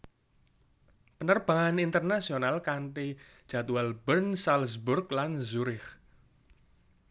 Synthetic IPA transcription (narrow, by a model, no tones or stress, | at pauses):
pənərb̥a̤ŋanint̪ərnasionalkaɳʈid̥ʒ̥a̤t̪uwalbənsalsburklanzuɾɪx